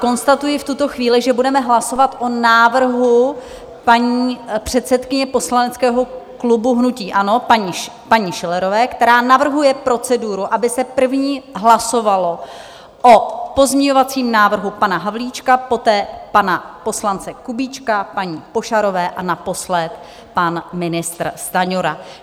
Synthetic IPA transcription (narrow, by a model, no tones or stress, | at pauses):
ko̞nst̪at̪ujɪft̪ut̪o̞xviːlɪʒɛbudɛmɛɦlaso̞vat̪ʔo̞naːvr̩ɦu | paɲiːpr̝̥ɛt̪sɛt̪kɪɲɛpo̞slanɛt͡skɛːɦo̞klubuɦnuciːʔano̞paɲi | paɲɪʃɪlɛɾo̞vɛːkt̪ɛɾaːnavr̩ɦujɛpɾo̞t͡sɛduɾuʔabɪsɛpr̩vɲiːɦlaso̞valo̞ | ʔopo̞zɲɛɲo̞vat͡siːmnaːvr̩ɦupanaɦavliːt͡ʃkapo̞t̪ɛːpanapo̞slant͡sɛkubiːt͡ʃkapaɲiːpo̞ʃaɾovɛːʔanapo̞slɛt̪ | panmɪnɪst̪ɾst̪aɲoɾa